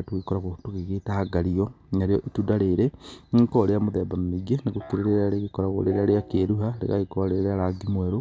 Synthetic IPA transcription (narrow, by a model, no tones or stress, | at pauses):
toɣekɔɾaɣotoɣeɣetaɡaɾiɔnaɾeɔʔetudaɾeɾeŋŋkoɾeamoðɛbammiɡeneɣokiɾeɾeɾaɾeɣekɔɾaɣo̰ɾeɾaɾeakeɾuɦaɾḛɣa̰ɣekɔɾeɾeaɾaɡimwɛɾo